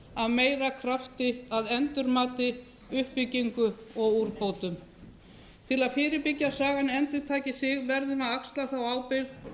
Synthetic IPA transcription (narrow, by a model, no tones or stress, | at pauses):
aðmeːjɾakʰɾaft̪ɪaðɛnt̪ʏɾmaːt̪ɪ | ʏhpviciŋkʏɔɣuɾpoːwt̪ʏm | t̪ʰɪlaðfɪːɾɪpɪcːasaːɣanɛnt̪ʏɾt̪ʰaːcɪsɪɣvɛɾðɪnaðakst̪laθawaːwpɪð